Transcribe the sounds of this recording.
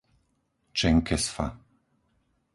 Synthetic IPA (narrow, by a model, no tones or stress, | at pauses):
t͡ʃɛŋkɛsfa̰